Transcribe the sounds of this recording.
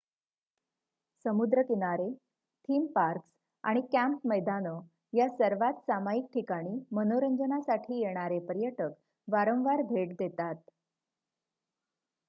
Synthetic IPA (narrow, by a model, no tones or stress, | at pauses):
səmud̪ɾəkinaɾe | t̪ʰiːmpaɾks | a̰ɽ̃ikæ̃mpməjd̪anə | jasəɾʋat̪samajik̚ʈʰikaɽ̃iːmənoɾəɲd͡zənasaʈʰiːjeɽ̃aɾepəɾjəʈək | ʋaɾə̃ʋaɾbʱeʈd̪et̪at̪